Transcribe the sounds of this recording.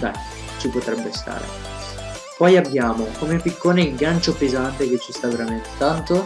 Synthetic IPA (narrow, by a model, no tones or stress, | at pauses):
d̪a̰j | t͡ʃipot̪ɾɛbːest̪a̰ːɾḛ | pɔjabːjaːmokomepːikʰːoːneɡant͡ʃopezant̪ek̟et͡ʃːist̪aveɾament̪e̥t̪ant̪o